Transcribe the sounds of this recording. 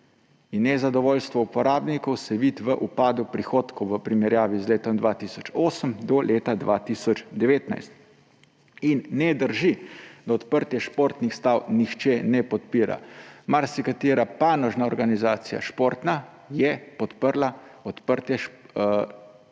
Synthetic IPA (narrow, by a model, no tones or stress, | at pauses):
inːɛzad̪ɔʋoːlst̪ʋɔupɔɾaːbnikɔwsɛʋiːt̪ʋəʔupaːd̪upɾixoːt̪kɔwʋəpɾimɛɾjaːʋizleːt̪ɔmd̪ʋat̪isɔt͡ʃoːsəmd̪ɔlʔeːt̪ad̪ʋat̪iːsɔt͡ʃd̪ɛʋeːt̪na̰jst̪ | inːɛd̪əɾʒid̪ɔɔt̪pəɾt̪jɛʃpoːɾt̪nixst̪awnixt͡ʃɛnɛpɔt̪piːɾa̰maɾsikat̪eːɾapaːnɔʒnaɔɾɡanizaːt̪sija̰ʃpoːɾt̪na | jɛpɔt̪pəɾlaɔt̪pəɾt̪jɛ